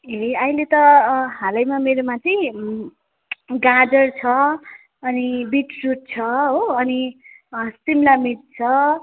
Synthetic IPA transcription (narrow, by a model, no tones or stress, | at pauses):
ɦeʌĩlet̪ʌɦãlʌjmameɾomat͡sʌĩ | ɡad͡zʌrt͡sʰʌ | ʌnibiʈruʈ̚t͡sʰʌɦoʌni | simlamit̪̚t͡sʰʌ